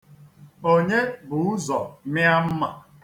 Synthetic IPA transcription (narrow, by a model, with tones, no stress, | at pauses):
o˦ɲe˦bʊ˨ʊ˦zɔ˨mɪ˦a˦m̩˦ma̰˨